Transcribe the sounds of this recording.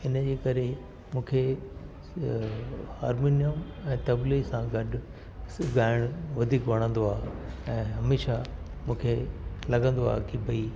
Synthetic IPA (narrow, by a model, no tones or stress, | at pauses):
ɪnəd͡ʑeːkɐɾe | mũːkʰe | aːɾmiːnijəmɛ̃ːt̪ɐblisãɡɐɗʊ | ɡaːɪɽ̃ʊʋɐd̪ʱiːkʋɐɽ̃ə̃nd̪oaːɛ̃ːɦɐmeːʃa | mũːkʰelɐɡə̃nd̪oa̰ːkibʱɐi